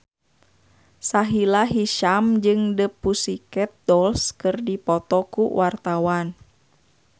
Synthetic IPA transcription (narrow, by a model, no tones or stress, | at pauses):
saɦilaɦiʃamd͡ʒɨŋdəpusikɛt̪̚dɔlskɨrdipɔt̪ɔkṵwʔart̪awan